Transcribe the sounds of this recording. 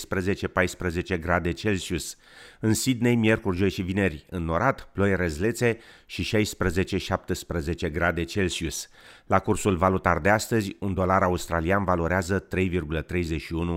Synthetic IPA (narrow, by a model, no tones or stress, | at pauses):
spɾəze̞t͡ʃe̞pajspɾəze̞t͡ʃe̞ɡɾad̪e̞t͡ʃe̞lsius | ɨnsid̪ne̞jmie̞rkurʒo̞jʃivine̞rʲɨnːo̞ɾʔat̪plo̞jɾezle̞t̪se̞ʃiʃajspɾəze̞t͡ʃe̞ʃap̚t̪əspɾəze̞t͡ʃeɡɾad̪e̞t͡ʃe̞lsius | lakursulvalut̪ard̪east̪əzʲund̪o̞laɾaust̪ɾalianvalo̞ɾeazət̪ɾe̞jvirɡulət̪ɾe̞jze̞ʃiunu